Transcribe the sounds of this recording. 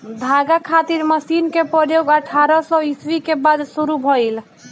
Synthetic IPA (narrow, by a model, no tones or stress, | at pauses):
d̪ʱaɡakʰat̪iɾməsinkepɾɔjoɡəʈʰaɾɔsɔiswikebad̪suɾubʱɔjl